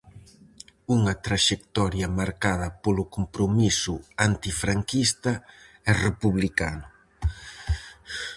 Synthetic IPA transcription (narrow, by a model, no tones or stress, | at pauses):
uŋɐt̪ɾaʃekt̪ɔɾjɐmaɾkaðɐpolʊkompɾomisʊant̪ifɾaŋkist̪ɐ | ɛrepuβlikanʊ